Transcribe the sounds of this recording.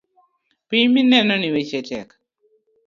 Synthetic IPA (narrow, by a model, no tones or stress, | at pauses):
piɲminɛnɔniwet͡ʃɛtɛ̰k